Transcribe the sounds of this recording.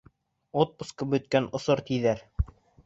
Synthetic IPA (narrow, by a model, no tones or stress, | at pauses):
ot̪̚puskɤbɵ̆t̪̚kænŏsoɾt̪iðæɾ